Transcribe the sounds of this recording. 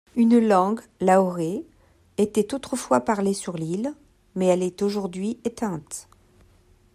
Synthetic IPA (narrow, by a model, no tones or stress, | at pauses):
ynlɑ̃ɡ | laɔʁe | et̪ɛt̪ot̪χəfwapaʁlesyʁlil | mɛɛlɛt̪oʒuʁd̪ɥiet̪ɛ̃t̪